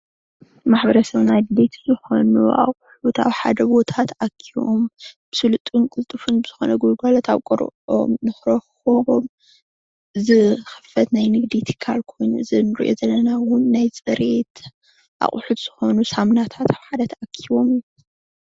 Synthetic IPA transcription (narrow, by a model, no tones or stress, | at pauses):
maħbɐɾɐsɐβnajd̪d̪et̪ʰzɨxo̞nuʔa̰χʼħut̪a̰βħad̪ɐbo̞t̪ʰat̪akʰːiβo̰mb̥ɨsɨlɨt̪ʼːunkʼɨlt̪ʼːɨfunbɨz̥ɨxonɐɡoɡalɐt̪ʰaβkʼoɾo̰mnɨxɾɐxoβo̞m | ɨzɨxɨ̥fɐt̪najnɨɡd̪it̪ʰɨ̥kʰːalkʰo̞jnuɨzɨnɨɾḭʔo̞̰zɐlːɐnawʊnːajsʼɨɾe̞t̪ | ʔa̰χʼħut̪z̥ɨxo̞nusamnat̪ʰat̪ʰaβħad̪ɐt̪ʰakʰiβo̞mju